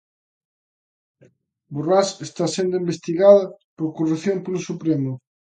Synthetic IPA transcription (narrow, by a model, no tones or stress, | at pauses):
burasest̪asend̪ʊimbest̪iɣaðɐpoɾkoruθjompelʊsupɾemʊ